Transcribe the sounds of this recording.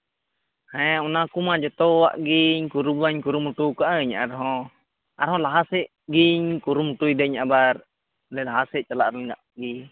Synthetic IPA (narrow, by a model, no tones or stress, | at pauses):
hɛɛunakumad͡ʒat̪ɔa̰ʔɡiɲkuɾubaɲkuɾumut̪ukaʔɲaaɾɦɔ | ʔa̰ɾɦɔ̃laɦasɛʔ | ɡiɲkuɾumut̪uidɛɲabar | lɛlaɦasɛʔt͡ʃalaʔɾlŋɡa̰ʔɡi